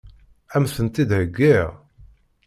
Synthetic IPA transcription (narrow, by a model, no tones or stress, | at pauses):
æmsənt̪id̪həɡʷːɪʁ